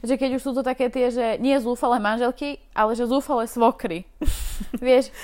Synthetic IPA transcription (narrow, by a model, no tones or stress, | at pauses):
ʒɛkɛɟuʃsuːt̪ɔt̪akɛːt̪ɪɛʒɛɲɪɛzuːfalɛːmanʒɛlkiʔalɛʒɛzuːfalɛːsʋɔkɾi | ʋɪɛʃ